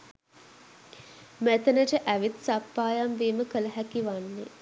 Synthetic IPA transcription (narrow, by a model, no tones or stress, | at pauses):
mæt̪ənəʈəʔæʋit̪sapːaːjamʋeːməkələɦækiʋanːe